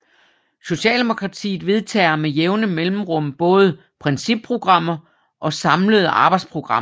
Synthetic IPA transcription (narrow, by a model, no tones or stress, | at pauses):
so̝ɕɛ̰ːld̥e̝mo̝kʰʁɑ̈t͡sʰḭːð̩ˠʋe̝ðˠt͡sʰɛ̰ːɐmejeʊnəmelm̩ʁɔ̽m̰b̥ɔ̽ːð̞ˠə | pʰʁɛnsib̥̚pʰʁo̝ɡ̥ʁɑ̈m̰ɐ | ʔɒ̽sɑ̈mləð̞̩ˠɑ̈ːb̥ɑ̈ɪd̥spʰʁo̝ɡ̥ʁɑ̈m̰ɐ